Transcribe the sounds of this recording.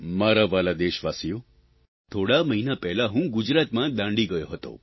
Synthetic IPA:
maɾaʋalad̪eʃʋasijo | t̪ʰoɽaməɦinapɛɦlaɦũɡʊd͡ʒɾat̪mãd̪ãɳɖiɡəjoɦət̪o̰

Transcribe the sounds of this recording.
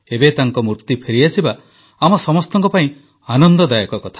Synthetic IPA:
ebet̪aŋkɔmuɾt̪ipʰeɾiasʰiba | amɔsɔmɔst̪ɔŋkɔpaĩ | anɔnd̪ɔd̪ajɔkɔkɔt̪ʰḁ

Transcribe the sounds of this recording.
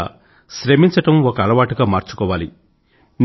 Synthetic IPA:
ʃɾemiɲt͡ʃɐʈɐmɔkɐɐːlɐʋaːʈuɡaːmaːɾt͡ʃu̥kɔːʋaːli | n

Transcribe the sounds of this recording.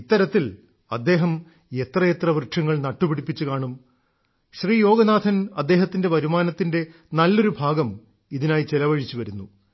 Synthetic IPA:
it̪ːɐɾɐt̪ːil | ɐd̪ːe̞ːɦɐm | e̞t̪rɐjet̪rɐʋrʈʂʰɐŋːɐɭnɐʈːupiɽipːit͡ɕːukaːɳum | ɕriːjo̞ːɡɐnaːd̪ʰʱɐnɐd̪ːe̞ːɦɐt̪ːinde̞ʋɐɾumaːnɐt̪ːinde̞ | nɐlːo̞ɾubʱaːɡɐm | iðinaːjit͡ɕelɐʋɐɻit͡ɕːuʋɐɾunːu

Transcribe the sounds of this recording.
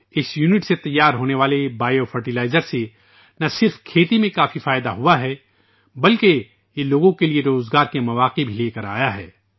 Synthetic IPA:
ɪsjuːnɪʈset̪ɐjːaːɾɦoːneʋaːlebaːjofɐɾʈilaːɪzəɾse | nɐsɪɾfkʰeːt̪imẽkaːfifaːɪd̪aɦuaɦɛ | bɐlke | jeloːɡõkelieɾoːzɡaːɾkemɐʋaːqebʱileːkɐɾa̰ːjaɦɛ̰ː

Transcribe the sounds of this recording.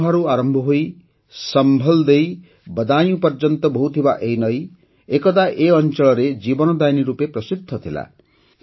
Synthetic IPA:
ɦaɾuaɾɔmbʱɔɦoj | sʌmbʱɔld̪ej | bʌd̪aj̃ũpɔɾd͡ʒɔnt̪ɔbʱɔɦut̪ʰibaʔejnʌj | ekɔd̪aʔeʌnt͡ʃɔɭɔɾed͡ʒibɔnɔd̪ajniɾupepɾɔsid̪ʱːɔt̪ʰila̰

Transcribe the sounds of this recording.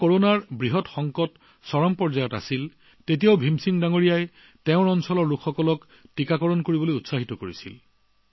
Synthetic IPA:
koɹonaɹbɹiɦɔtxɔŋkɔt | sɔɹɔmpɔɹzajɔta̰sil | tetijaʊbʱimsiŋdaŋoɹijaj | tɛʊ̃ɹɔnsɔlɔɹːukʰːɔkɔlɔk | tikakɔɹɔnkoɹibɔlojutsaɦitɔkoɹisḭl

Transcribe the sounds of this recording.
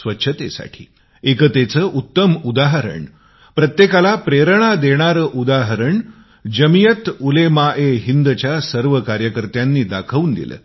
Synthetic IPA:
sʋətːɕʰət̪ḛsa̰ʈʰḭː | ekət̪et͡səːʔut̪ːəmud̪aɦəɾə̰ɳ | pɾət̪jekalapɾeɾəɳ̃ad̪eɽ̃aɾəːʔud̪aɦəɾəɳ | d͡ʑəmijət̪ulemaʔeɦind̪t͡ɕjasəɾʋəkaɾjəkəɾt̪janːiːd̪akʰəʋuːnd̪ḭlə̰ː

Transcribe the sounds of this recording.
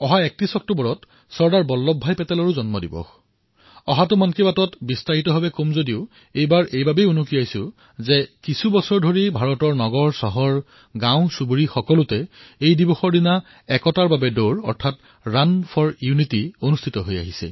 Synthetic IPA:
ɔɦaɛk̚tɹisɔk̚tobɔɹɔt | sɔɹdaɹbɔlːɔbʱːajpɛtɛlɔɹuzɔnmɔdibɔ̰x | ɔɦatʊmankibatɔtbistaɦitɔɦabɛkomzodiʊ | ejbaɹʔejbabejunukijajsʊ | zɛkisʰubɔsɔɹdʱoɹibʱaɹɔtɔɹnɔɡɔɹsɔɦɔɹ | ɡãw̃subuɹixɔkɔlʊtɛejdibɔxɔɹdina | ɛkɔtaɹbabɛdoɹɔ̰ɹtʰat | ɹanpʰɔɹjunitionustʰitɔɦoja̰ɦisɛ̰

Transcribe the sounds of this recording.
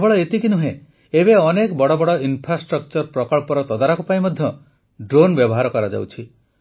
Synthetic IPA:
bɔɭɔet̪ikinuɦẽ | ebeɔnekbɔɽɔbɔɽɔinpʰɾasʈɾɔk̚t͡ʃɔɾpɾɔkɔɭpɔɾɔt̪ɔd̪aɾakupaĩmɔd̪ʱjɔ | ɖɾonbjɔbɔɦaɾɔkɔɾad͡ʒa̰wt͡ʃʰi

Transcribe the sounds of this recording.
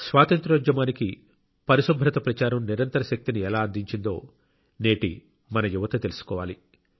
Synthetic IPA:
sʋaːt̪ɐnt̪ɾɐɐd͡ʒɐmaːniki | pɐɾisɐbʱɾɐt̪ɐpɾɐt͡ʃaːɾɐmniɾɐnt̪ɐɾɐʃɐk̚t̪iniɛlaːɐnd̪ʱiɲt͡ʃind̪o̞̰ː | ne̞ːʈḭ | mɐnɐjuʋɐt̪ɐt̪e̞lusu̥kɔːʋaːli

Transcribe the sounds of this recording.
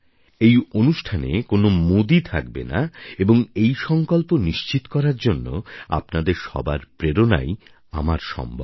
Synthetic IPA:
ejonuʃʈʰanḛkonomod̪it̪ʰakbḛna̰eboŋejʃɔŋkolponiʃt͡ɕit̪okɔɾaɾd͡ʑonːo̰a̰pnad̪eɾʃɔ̰baɾpɾeɾona̰j | a̰maɾʃɔ̰mbʱo̰b

